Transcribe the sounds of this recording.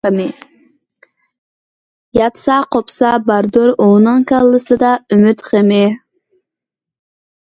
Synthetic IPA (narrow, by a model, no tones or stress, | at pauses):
mɪ | jɑt̪sɑqopsɑbɑɾd̪oɾonɨŋkɑlˠːɨsɨd̪ɑymyt̪χemɪ